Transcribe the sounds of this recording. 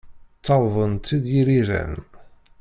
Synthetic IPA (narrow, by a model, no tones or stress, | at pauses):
t͡sːɑwðˤənt̪ːid̪jiɾiɾæ̰n